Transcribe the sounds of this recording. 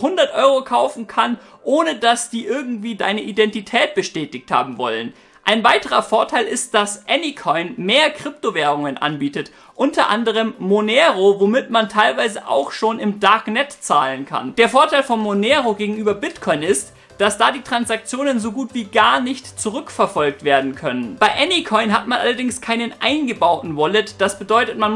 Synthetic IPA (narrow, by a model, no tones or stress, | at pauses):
hʊndɐtʔɔʏʁokʰaʊfn̩kʰanʔoːnədasd̥iːʔɪɐɡŋ̩tv̥iːda̰ɪnəʔidɛntitʰɛːt̚b̥əʃtɛːtɪçtha̰ːbm̩vɔ̰lən | ʔaɪnvaɪtəʁɐfoːɐtʰaɪlʔɪst̚d̥asʔɛnikʰɔʏnmeːɐkʁ̥ɪp̚toveːʁ̞ʊŋənʔa̰nbiːtət | ʔʊntʰɐʔa̰ndəʁ̞əmːonɛːʁovomɪtmantʰaɪlvaɪzəʔa̰ʊxʃoːnɪmdaɐknɛtt͡saːlənkʰa̰nd̥eːɐfoːɐtʰaɪlfɔnmonɛːʁoɡeːɡŋ̩ʔyːbɐbɪtkʰɔʏnɪst | d̥asd̥aːdiːtʁ̥ansak̚t͡sjoːnənzoɡuːtv̥iːɡaːɐnɪçtt͡suʁʏkfɛɐfɔlk̚tv̥eːɐdn̩kʰœnənb̥aɪʔɛnikʰɔʏnɦatmanʔa̰lɐdɪŋskʰaɪnənʔaɪnɡəbaʊtn̩vɔlətd̥asb̥ədɔʏtətman